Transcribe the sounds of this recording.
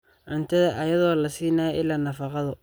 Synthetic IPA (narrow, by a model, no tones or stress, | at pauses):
ʕʊnt̪ʰɐðɐʔɐjɐðɔːlɐsiːnaːɪlːaːnɐfɑqɑðʊ